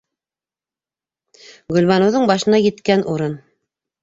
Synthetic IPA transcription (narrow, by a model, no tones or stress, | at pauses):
ɡɵ̆lβɑnɤ̆wðɤɴbɑʃɤ̆nɑjɘ̆t̪kænʔuɾɤn